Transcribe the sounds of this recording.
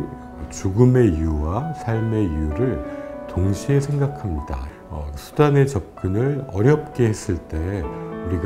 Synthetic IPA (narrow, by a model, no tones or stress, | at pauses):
t͡ɕuɡɯme̞ijuwasʰaɭme̞ijuɾɯɭtoŋɕʰie̞sʰe̞ŋɡakʰamɲida̰ | ʌ̰sʰu̥dane̞t͡ɕʌp̚k͈ɯnɯɾʌɾjʌp̚k͈e̞he̞s͈ɯɭt͈e̞uɾiɡ